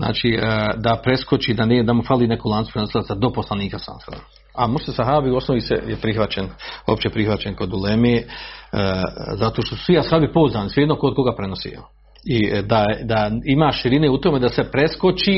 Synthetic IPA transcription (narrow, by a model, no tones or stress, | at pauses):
zna̰ːt͡ʃiːd̪apɾe̞sko̞t͡ɕiːd̪anːd̪amufaliːnekuːlˠanu̥pɾeno̞silasad̪o̞po̞slaniːkasa̰nsa̰d̪a | amoɾst̪esaɦaːbiuo̞snoʋisḛjepɾixʋat͡ɕeno̰pt͡ɕepɾixʋat͡ɕenkod̪ulemeː | zat̪oːʃt̪osu̥sʋiasabipouzaːnisʋijed̪nokod̪̚ko̞ɡaːpɾenosḭo̰ | id̪ad̪aimaːʃiɾineːut̪o̞me̞d̪asepɾe̞sko̞t͡ʃi